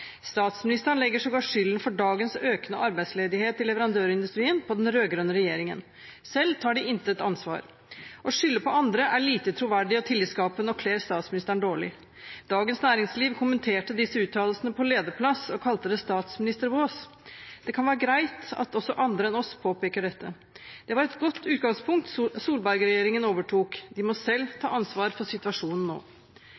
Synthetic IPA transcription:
st̪ɑːt̪smɪnɪst̪əɳlɛɡːəʂɔɡɑʈʂʏlːənfɔɖɑːɡənsøːknəʔɑɾbæɪd̪sleːd̪ɪheːt̪ʰːɪlɛʋəɾɑnd̪øːɾɪnd̪ʉst̪ɾiːənpʰɔd̪ɛnɾøːɡɾœnːəɾɛjeːɾɪŋə̰n | sɛlːt̪ʰɑːɖɪʔɪnt̪əɛt̪ɑnsʋɑ̰ːɾ | ʔɔʂʏlːəpʰɔɑnd̪ɾəʔæɭiːt̪ət̪ʰɾʊʋæɖɪɔt̪ʰɪliskɑːpənɔkʰleːɾst̪ɑːt̪smɪnɪst̪əɳd̪oːɭɪ | d̪̥ɑːɡənsnæːɾɪŋsliːʋkʰʊmənt̪ʰeːʈəd̪ɪsːəʉːt̪ʰːɑːll̩sənəpʰɔleːd̪əpʰlɑsɔkʰɑlt̪əd̪ɛst̪ɑːt̪smɪnɪst̪əɾʋoːs | d̪̥ɛkʰɑnʋæːɾəɡɾæɪt̪ɑ̰t̪ɔsːɔʔɑnd̪ɾəɛnɔspʰoːpeːkəɖɛt̪ːə̰ | d̪̥ɛʋɑɾɛt̪ɡɔt̪ːʉːt̪ɡɑŋspʰʊŋk̚t̪suːlbæɾɡɾɛjeːɾɪŋənoːʋəʈʰuːkd̪ɪmɔsɛlːt̪ʰɑ̰ːɑnsʋɑːɾfɔsɪt̪ʉɑʂuːnn̩nːo̰ː

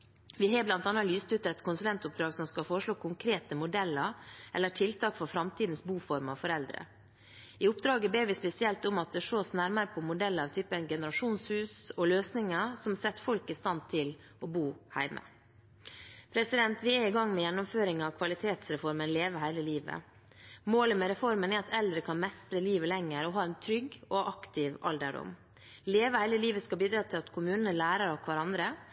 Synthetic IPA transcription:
ʋɪɦɑːblɑnt̪ɑnːɑlyːst̪ʉt̪əɛt̪kʰʊnsʉlɛnt̪ʊp̚d̪ɾɑːɡsɔmskɑfɔɾəʂɭoːkʰʊŋkʰɾeːt̪əmʊd̪ɛlːəɾʔɛlːəʈʰɪlt̪ʰɑːkfɔɾfɾɑmt̪ʰiːd̪n̩sbuːfɔɾmɑfɔɾɛld̪ɾə̰ | ɪʊpd̪ɾɑːɡəbeːɾʋɪspɛsɪɛlt̪ʊmɑt̪̚d̪ɛʂoːsnæɾməɾəpʰɔmʊd̪ɛlːəɑʋt̪ʰyːpənɡɛnəɾɑʂuːnshʉːsɔløːsnɪŋəsɔmsɛt̪ːfɔlkɪst̪ɑnt̪ʰɪl | ɔbuːhæ̰ɪmə̰ | pʰɾɛsɪd̪ɛnt̪ʰʋɪɛɪɡɑŋːmɛjɛnːʊmføːɾɪŋɑʋkʰʋɑlɪt̪ʰeːt̪sɾɛfɔɾmənleːʋəɦæɪləliːʋə̰ | moːləmɛɾɛfɔɾmənɛɾɑt̪ɛld̪ɾəkʰɑnmɛst̪ɾəliːʋəlɛŋːəɾɔɦɑːɛnt̪ʰɾʏɡːɔʔɑkt̪ʰɪʋɑ̰ld̪əɖʊ̰m | leːʋəhæɪləliːʋəskɑbiːd̪ɾɑːt̪ʰɪlɑt̪kʰʊmʉːnənəlæːɾɑɾɔkʰʋɑɾɑnd̪ɾə

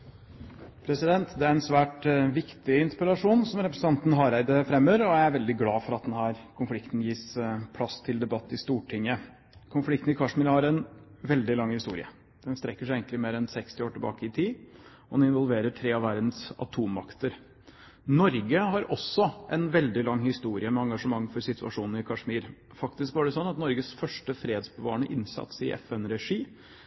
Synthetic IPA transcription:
pʰɾɛsɪd̪ɛnt̪d̪ɛæɾɛnsʋæːʈʋɪkt̪ɪɪnspɪɾɑʂuːnsɔmɾɛpɾəsn̩ɑnt̪nɦɑːɾæɪd̪əfɾɛmːəːɾɔæɪæɾʋɛld̪ɪɡlɑːfɔɾɑt̪̚d̪ɛnɦæːɾkʰʊnflɪkt̪n̩jiːspʰlɑst̪ʰɪld̪ɛbɑt̪ːɪst̪uːʈʰɪŋːə | kʰʊnflɪk̚t̪n̩ɪkʰɑʂmɪlhɑɾɛnʋɛld̪ɪlɑŋhɪst̪ṵːɾɪ̰ə̰ | d̪̥ɛnst̪ɾɛkːəʂæɪeŋklɪmeːɾɛnsɛkst̪ɪoːʈʰəbɑ̰ːkəɪt̪ʰiː | ɔnɪnʋɔlʋeːɾəʈʰɾeːɑʋæɾd̪n̩sɑ̰t̪ʰuːmɑ̰kt̪əɾ | nɔɾɡəhɑɾʔɔsːɔʔɛnʋɛld̪ɪlɑŋhɪst̪uːɾɪəmɛɑŋɡɑʂəmɑŋːfɔɾsɪt̪ʰʉɑ̰ʂuːnn̩ɪkʰɑʂmiːɾ | fɑkt̪ɪskʋɑɖɛsɔnːɑt̪nɔɾɡəsfœʂʈəfɾeːd̪sbəʋɑ̰ːəɳəʔɪnsɑ̰t̪sɪ̰ʔɛ̰fɛnɾɛʂiː

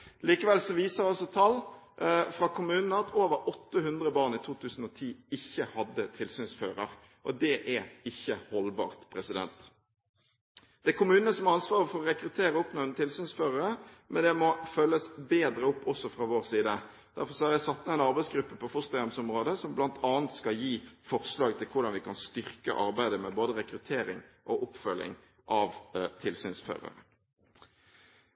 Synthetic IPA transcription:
liːkəʋɛlsɔʋiːsəɾɑlsɔt̪ʰɑlː | fʁɑkʰʊmʉːnnəɑt̪ʰoːʋəɾɔt̪ːəhʉnd̪ɾəbɑːʁnit̪ʰuːt̪ʰʉːsn̩ɔt̪ʰiːɪçːəhɑd̪ːət̪ʰɪlsyːnsfø̰ːɾəɾ | ʔɔd̪ɛʔæɾɪçːəhɔlbɑ̰ːʁt̪pʰɾɛsɪd̪ɛ̰nt̪ | d̪̥ɛɛkʰʊmʉːnnəsɔmɑnsʋɑːʁəfɔʁɔʁɛkɾʉt̪ʰeːɾəʊpnɔnt̪ʰɪlsyːnsføːʁəɾəmɛnd̪ɛmɔfœlːəsbeːd̪ɾəʊpːɔsːɔfʁɑʋoːɾsiːd̪ə | d̪̥æɾfɔɾsɔhæɾjæɪsɑt̪ːəɛɪnɑɾbæɪsɡɾʉpːəpʰɔfʊst̪ɑɡɑmsʊmʁoːd̪əsɔmblɑnt̪ʰɑːnt̪skɑljiːfɔʁslɑːɡt̪ʰɪlkʰʊʁd̪ɑnʋɪkʰɑnst̪ʏʁkə̰ʔɑ̰ɾbæɪd̪əmɛboːd̪əʁɛkɾʉt̪ʰeːɾɪ̰ŋʔɔʔʊpfœlːɪ̰ŋ | ʔɑʋt̪ʰɪlsyːnsfø̰ːʁə̰ɾə

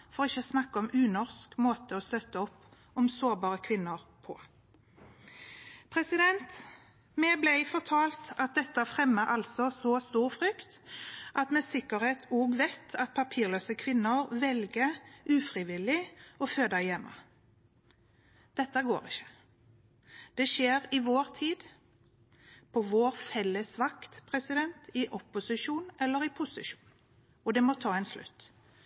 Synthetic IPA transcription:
fɔʁɔɪçːəsnɑkːəɔmʉːnɔʁskmoːt̪əɔst̪œt̪ːəɔpː | ɔmsoːɾbɑːʁəkʰʋɪnːəɾpʰɔ̰ | pʰɾɛsɪd̪ɛnt̪ | mɛblæɪfɔt̪ʰɑːlt̪ɑt̪̚d̪ɛt̪ːəfʁɛmːəʔɑlsɔsɔst̪uːʁfʁʏkt̪ʔɑt̪mɛsɪkːəɾheːt̪ʰoːɡʋɛt̪ʰɑt̪̚pʰɑpʰiːɾløːsəkʰʋɪnːəɾʋɛlɡəʔʉːfʁɪʋɪlɪɔføːd̪æɪjɛmʔə̰ | d̪̥ɛt̪ːəɡo̰ːʁɪçə̥ | d̪̥ɛʃeːɾɪʋoːʁt̪ʰiːd̪ | pʰɔʋoːɾfɛlːəsʋɑkt̪pʰʁɛsɪd̪ɛnt̪ɪʔɔpʊsɪʃuːnɛlːəɾɪpʰʊsɪʃuːn | ɔd̪ɛmɔt̪ʰɑːɛɪnslʉ̰t̪ː

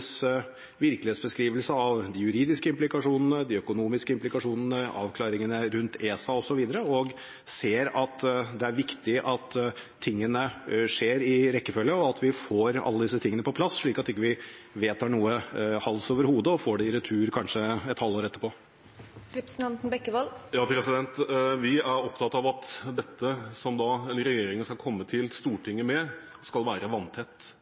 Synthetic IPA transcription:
s | ʋɪɾkəlɪeːt̪sbəskɾiːʋəlsəɑʋd̪ijʉɾiːd̪ɪskəɪmplɪkɑʂuːnn̩əd̪iœkʊnuːmɪskəɪmplɪkɑʂuːnn̩əʔɑ̰ːʋkʰlɑːɾɪŋənəɾʉnt̪ʰeːsɑɔsɔʋiːd̪əɾəɔɡ | seːɾɑt̪d̪ɛæɾʋɪkt̪ɪʔɑt̪ʰː | ɪŋːənəʂeːɾɪɾɛkːəfœlːəɔɑt̪ʰʋɪfoːɾɑ̰lːəd̪ɪs̬ət̪ʰɪŋːənəpɔpʰlɑsʂɭiːkɑt̪ɪkːəʋɪʋeːt̪hɑːɳuːəhɑlsoːʋəɾhuːd̪əɔfoːɖɛɪɾɛt̪ʰʉːɾkʰɑnʂəɛt̪hɑlːoːɾɛt̪ːəɾpʰoː | ɾɛpɾst̪ɛnt̪n̩bɛkːəʋɑljɑːpʰɾɛsɪd̪ɛnt̪ʋɪæɾɔpt̪ʰɑt̪ːɑʋɑt̪d̪ɛt̪ːəsɔmd̪ɑəɾɛjeːɾɪŋənskɑlkʰɔmːət̪ʰɪlst̪uːʈʰɪŋːəmɛ | skɑlʋæːɾəʋɑnːt̪ʰɛt̪ː

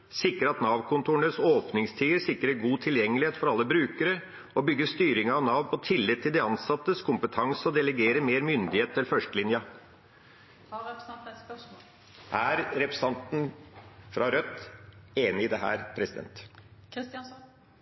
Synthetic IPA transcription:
sɪkːəɾɑt̪nɑʋkʰʊnt̪ʰuːɳəsoːpnɪŋst̪ʰiːəɾʂɪkːəɾəɡuːt̪ʰɪljɛŋːəlɪeːt̪fɔɾɑlːəbɾʉːkəɾə | ɔbʏɡːəst̪yːɾɪŋɑɑʋnɑʋnpʰɔt̪ʰɪlːɪd̪t̪ʰːɪld̪ɛɑnsɑt̪ːəskʰʊmpət̪ʰɑŋsəɔd̪ɛləɡeːɾəmeːɾmʏnd̪ɪheːt̪ʰːɪlfœʂʈəlɪnjɑ | ʔæːɾɾɛpɾɛsɑnt̪n̩fɾɑɾœt̪eːnɪɪd̪ɛɦæ̰ːɾpʰɾɛsɪd̪ɛ̰nt̪

